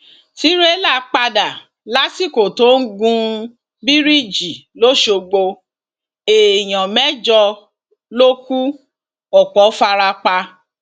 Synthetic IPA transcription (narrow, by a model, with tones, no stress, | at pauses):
ti˦ɾe˦la˦˨k͡pa˧da˨ | la˨˦si˦˨ko˨to˨˦ŋ̩˦ɡũ˧ | bi˦ɾi˦˨d͡ʒi˨lo˦ʃo˧ɡ͡bo˧ | e˨j̃ɔ̃˨mɛ˦d͡ʒɔ˧ | lo˦ku˦ | ɔ˨k͡pɔ˨˦fa˧ɾa˧k͡pa˧